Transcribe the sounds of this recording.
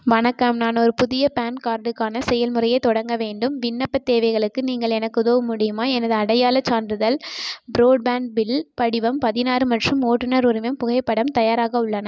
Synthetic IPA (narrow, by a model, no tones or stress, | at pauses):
ʋɐɳɐkːɐmnaːnɔɾɯpʊðɪjɐpaːnkaːɾɖɯkːaːnɐsɛjɐlmɯrɐjɐɪt̪ːɔɽɐŋɡɐʋeːɳɖɯmʋɪnːɐpːɐt̪ːeːʋɐɪɣɐɭɯkːɯniːŋɡɐɭɛnɐkːɯðoːmʊɽɪjɯmaːɛnɐðɯɐɽɐjaːlɐt͡ʃːaːndɾɯðɐlbɾoːɖ̚baːɳɖ̚bɪlpɐɽɪʋɐmpɐðɪnaːɾɯmɐʈrɯmoːʈːɯnɐɾʊɾɪʋɐmpʊɣɐɪpːɐɽɐmt̪ɐjaːɾaːɣɐʊɭːɐnɐ